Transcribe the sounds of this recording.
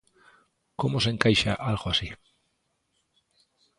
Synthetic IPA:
komosẽŋkajʃaʔalɣoasi

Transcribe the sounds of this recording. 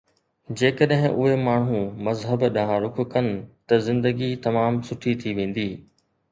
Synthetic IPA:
d͡ʑeːkəɗɦɪ̃ʔʊɦemaːɳ̤ũmɐzɦəbɗaɦãɾʊkʊ̆kɐnɪ̆t̪ɐzɪ̃nd̪əɡit̪ɐmaːmsʊʈʰit̪ʰiʋẽːn̆d̪iː

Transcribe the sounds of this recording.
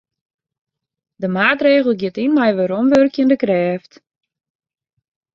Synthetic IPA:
dəmaːtreːɣəl̩ˠɡjɪtinmɛjʋəɾomʋørkjəndəkrɛːft

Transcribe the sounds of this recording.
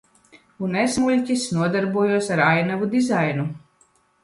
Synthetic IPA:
unezmulʲcʲisnuɔd̪aɾbuɔjuɔsaɾajnavud̪izajnu

